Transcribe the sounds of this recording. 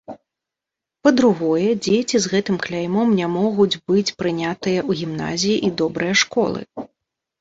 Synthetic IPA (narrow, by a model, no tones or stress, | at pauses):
pɐd̪ɾuɣɔjɛd͡zʲet͡sʲizɣɛt̪ɨmklʲajmɔmnʲamɔɣud͡zʲbɨt͡sʲpɾɨnʲat̪ɨjɐuɣʲimn̪a̰zʲijiʔid̪ɔbɾɨjɐʂkɔ̰lˠɨ̰